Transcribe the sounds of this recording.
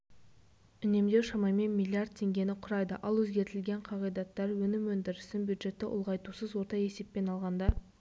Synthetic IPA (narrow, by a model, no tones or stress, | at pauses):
ʏne̞md̪e̞ʃɑmɑjme̞nmʲilʲˠːijard̪̚t̪ʰe̞ŋɡʲe̞nɪqʰʊɾɑjd̪ə̰ʔɑlˠwɵzɡʲe̞ɾt̪ɪlɡʲe̞ɴqʰɑʁijd̪ɑt̪ːɑɾwɵnɪmwɵnd̪ɪɾɪst̪ɪmbjud̪ʒe̞t̪ːɪʔʊ̰lˠʁɑjt̪usəzwo̞ɾt̪ɑje̞se̞pːe̞nɑlˠʁɑnd̪ɑ